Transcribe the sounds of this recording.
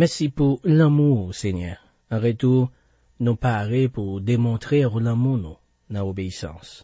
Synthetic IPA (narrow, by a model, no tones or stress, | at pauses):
mɛʁsipuʁlamuseɲœʁ | ãʁet̪u | nopaʁepuʁd̪emɔ̃t̪ʁeʁlãmunũ | nãobeisɑ̰̃s